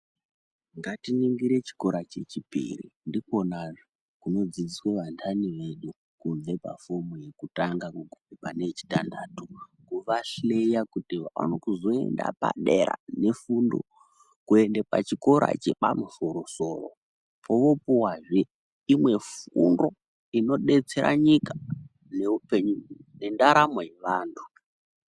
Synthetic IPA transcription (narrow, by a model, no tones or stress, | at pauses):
ŋɡatiniŋɡiɾe̞t͡ʃi̥ko̞ɾat͡ʃe̞t͡ʃipḭrḭndiko̞naʐo | kuno̞d͡zid͡zisweʋantʰaniʋe̞ɗu | kuɱve̞pa̰fomuje̞kutaŋɡakukuepanet͡ʃi̥tandaːtu | ɡuʋaɬlejakutiʋaa̰nokuzo̞e̞̰nda̰pa̰ɗeɾa̰ne̞fundo̰ | kue̞ndepat͡ʃiko̞ɾa̰t͡ʃepamuso̞ɾo̞so̞ːro̰ | poʋo̞puwaʐe | imwe̞fṵndo̞ | ino̞ɗe̞t͡se̞ɾa̰ɲikḁ | neupeɲune̞ndaɾamojeʋaːntʰu̥